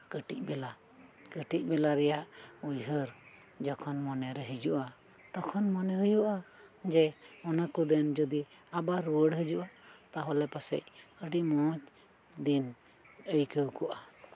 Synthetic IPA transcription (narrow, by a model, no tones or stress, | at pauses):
kəʈic̚ˀbɛla | kəʈic̚ˀbɛlaɾɛjaʔujɦəɾ | d͡ʒɔkʰɔnmɔnɛɾɛɦid͡ʒuʔa | t̪ɔkʰɔnmɔnɛɦujuʔad͡ʒɛɔnakud̪ɛnd͡ʒɔd̪i | abaɾuwəɽɦəd͡ʒuʔat̪aɦɔlɛpasɛ̰c̚əɖiʔmɔt͡ʃ | d̪in | əjkəwkɔʔa